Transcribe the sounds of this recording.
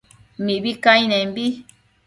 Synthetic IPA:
mibikajnɛmbi

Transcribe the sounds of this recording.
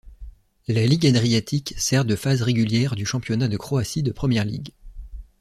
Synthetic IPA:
laliɡad̪ʁijat̪ʰiksɛʁd̪əfazʁeɡʲyljɛʁd̪yʃɑ̃pjɔnad̪əkχoasid̪əpχəmjɛʁlḭɡ

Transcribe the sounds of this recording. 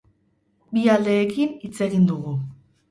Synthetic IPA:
biald̪e̞ːkinit͡se̞ɣind̪uɣu

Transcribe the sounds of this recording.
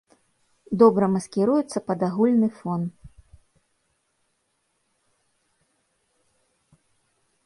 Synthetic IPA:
d̪ɔbɾɐmɐskʲiɾujut̪sːɐpɐd̪aɣulʲnɨfɔn

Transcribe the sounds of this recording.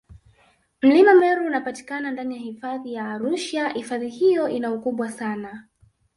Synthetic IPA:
m̩limamɛɾuːnapati̥kanandanijahifaðijaːɾuʃahifaðihijɔʔinaukuɓwasana

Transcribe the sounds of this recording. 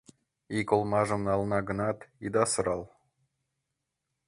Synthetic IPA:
ikolˠmɑʒɤ̆mnɑlˠnɑɡɤ̆nɑt̪id̪ɑsəɾɑlˠ

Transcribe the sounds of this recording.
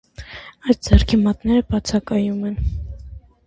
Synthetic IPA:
ɑjs̚d͡zɛrkʰimɑt̪nɛɾəbɑt͡sʰɑkɑjumɛn

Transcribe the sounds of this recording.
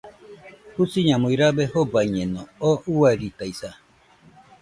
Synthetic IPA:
husiɲãmuiɾabɛhobaɲɛnɔoʔuaɾit̪aisa

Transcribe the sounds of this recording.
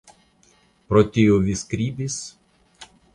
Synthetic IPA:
pɾɔt̪ʲɪjoːʋʲɪskɾʲiːbʲis

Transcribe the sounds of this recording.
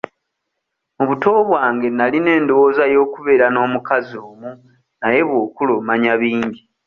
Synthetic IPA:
muβuto̞ːβwaːŋɡe̞naline̞ːndowoːzajo̞ːkuβe̞ːɾano̞ːmukazioːmu | naje̞βwo̞ːkulomaɲaβiːɲɟi

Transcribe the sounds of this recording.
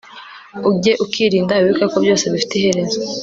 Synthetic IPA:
uɟe̞ʔukʰiːɾiːndaβiβikakobjo̞ːse̞βifi̥tehe̞ɾe̞zo

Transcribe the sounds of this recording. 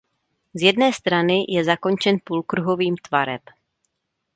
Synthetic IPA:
zjɛdnɛːst̪ɾanɪjɛzako̞nt͡ʃɛnpulkɾuɦo̞viːmt̪vaɾɛp

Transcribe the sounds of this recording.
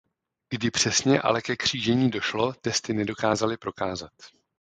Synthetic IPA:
ɡ̥dɪpr̥ɛsɲɛʔa̰lɛkɛkr̝̥iːʒɛɲiːdo̞ʃlo̞t̪ɛst̪ɪnɛdo̞kaːzalɪpɾo̞kaːzat̪

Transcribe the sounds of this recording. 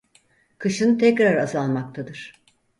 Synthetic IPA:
kʰɯʃɯnt̪ʰɛcɾaɾazalˠmak̚t̪ʰad̪ɯɾ̥

